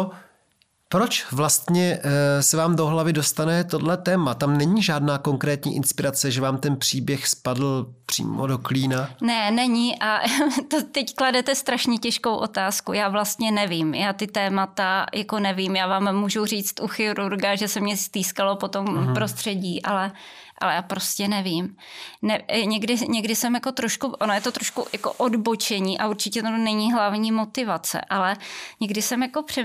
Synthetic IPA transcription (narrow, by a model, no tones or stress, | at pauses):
o | pɾot͡ʃvlast̪ɲɛsɛvaːmdo̞ɦlavɪdo̞st̪anɛt̪o̞dlɛt̪ɛːmat̪amnɛɲiʒaːdnaːko̞ŋkɾɛːt̪ɲḭːʔɪnspɪɾat͡sɛʒɛvaːmt̪ɛnpr̝̥iːbjɛxspadl̩pr̝̥ḭːmodo̞kliːnanɛnɛɲɪʔʔat̪ot̪ɛckladɛt̪ɛst̪ɾaʃɲɛcɛʃkowʔo̞t̪aːskujaːvlast̪ɲɛnɛvimjaːt̪ɪt̪ɛːmat̪ajako̞nɛvimjaːvaːmːuːʒuriːt͡st̪ʔuxɪɾuɾɡaʒɛsɛmɲɛst̪iːskalo̞po̞t̪o̞mpɾo̞st̪r̥ɛɟiːʔalɛ | ʔa̰lɛjaːpɾo̞scɛnɛviːm | nɛɲɛɡdɪɲɛɡdɪsɛmjako̞t̪ɾoʃkuʔonojɛt̪o̞t̪ɾoʃkṵjako̰ʔodbot͡ʃɛɲiːʔaʔuɾt͡ʃɪcɛt̪onɛɲiɦlavɲiːmo̞t̪ɪvat͡sɛ̰ʔalɛɲɛɡdɪsɛmjako̞pr̥ɛ